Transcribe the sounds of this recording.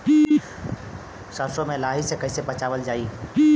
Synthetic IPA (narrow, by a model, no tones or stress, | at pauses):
səɾsomẽlaɦisekəɦɪsepət͡ʃaʋəld͡ʒai